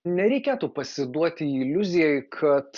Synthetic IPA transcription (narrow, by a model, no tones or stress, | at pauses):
nʲɛɾʲɛɪkʲeːt̪uːpɐsʲɪd̪uɔt̪ʲɪɪlʲʊzʲɪjɛɪkʰɐt̪